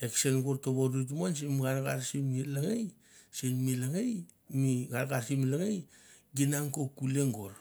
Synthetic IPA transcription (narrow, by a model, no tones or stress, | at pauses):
eksenɡoɾtoβoɾut̬mans̬emɡaɾɡaɾsimilaŋej | senmilaŋej | miɡaɾɡaɾsimilaŋejɡinaŋkokuleŋɡoɾ